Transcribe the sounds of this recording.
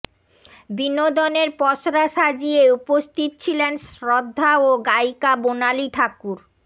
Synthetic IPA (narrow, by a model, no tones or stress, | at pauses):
binod̪oneɾpɔʃɾaʃad͡ʑieupost̪ʰit̪̚t͡ɕʰilenʃɾod̪ʱːaoɡajkabonaliʈʰakuɾ